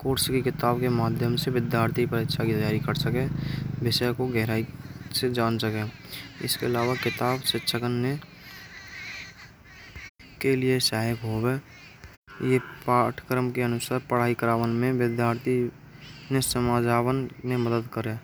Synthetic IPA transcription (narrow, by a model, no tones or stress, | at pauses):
koːɾskekɪt̪aːbkemaːd̪ʱjəmseʋɪd̪jaːɾt̪ʰipəɾɪkʃʰakit̪əjaːɾikəɾsəkẽʋɪsəkoɡɛɦɾaːised͡ʒaːnsəkẽɪ̰skeəlaːʋakɪt̪aːbsɪtːʃʰəkənːe | keliesaːɦɪkɦobe | jepaːʈʰkɾəmkeənʊsaːɾpəɽ̤aːikəɾaːʋənmẽʋɪd̪jaːɾt̪ʰi | nesəmaːd͡ʒaːwənneməd̪əd̪kəɾeː